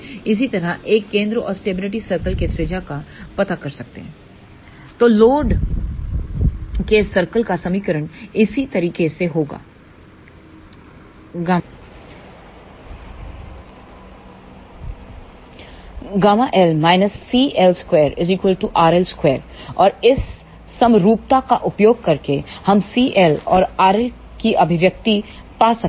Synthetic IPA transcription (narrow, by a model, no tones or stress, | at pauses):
ɪs̬it̪ɐɾaʔeːkːẽːnd̪ɾəʔɔːɾsʈeːbɪlɪʈisɐɾkəlket̪ɾed͡ʒakapɐt̪akɐɾsɐk̚t̪ḛɦɛ̃ː | t̪oːloːɖ | kesɐɾkəlkasɐmikəɾəɳɪsit̪ɐɾiːkeseɦoːɡa̰ː | ɡaː | ɡaːmaʔɛlmaːɪnəsːiːʔɛlskweːɾɪziːkwəlʈuʔaːɾɛlskweːɾɔːɾɪsː | ɐmɾuːp̚t̪akaʔʊpjoːɡ̚kɐɾkehɐmsiːʔɛlɔ̰ːɾaːɾɛl | kiɐbʱɪʋjɐk̚t̪ipaːsɐk̚